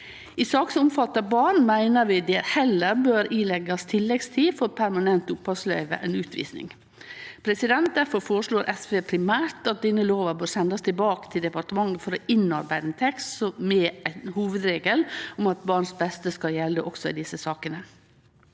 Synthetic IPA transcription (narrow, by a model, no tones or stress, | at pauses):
ɪsɑːksʊmfɑt̪ːɑbɑːɳmæɪnəɾʋɪd̪eːɾhɛlːəɾbøːɾiːlɛɡɑst̪ʰɪlːɛɡst̪ʰiːfɔɾpʰæɾmɑnɛnt̪ʊpʰːɑslœ̰ʏʋə̰ʔɛnʉːt̪ʰʋḭːsnɪ̰ŋ | pʰɾɛsɪd̪ɛnt̪̚d̪æɾfɔɾfoːɾəʂɭoːɾʔɛspeːpʰɾɪmæːɾt̪ɑt̪̚d̪iːnəloːʋəɾbøːɾsɛnd̪ɑst̪ʰɪbɑːkə̥t̪ʰɪld̪ɛpɑʈəmɑŋːəfɔɾɔʔɪnːɑɾbæɪd̪nt̪ʰɛkssɔmɛʔænhuːʋəd̪ɾeːɡəlʊmɑt̪̚bɑːɳsbɛst̪əskɑljɛlːəʔɔksɔɪd̪ɪsəsɑːkənə